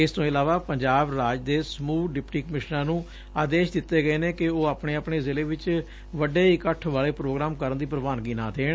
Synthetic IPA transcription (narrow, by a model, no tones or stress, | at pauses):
ɪst̪õːɪlaːʋaːpəɲd͡ʒaːbɾaːd͡ʒd̪eːsəmuːɖɪpʈiːkəmɪʃnãːnũː | aːd̪eːʃd̪ɪt̪ːeːɡəeːneːkɪoːaːpɳeːaːpɳeːzɪleːʋɪt͡ʃ | ʋəɖeːikəʈʰʋaːɭeːpɾoːɡɾaːmkəɾənd̪iːpɾəʋaːnɡiːnã̰ːt̪ʰeːɳ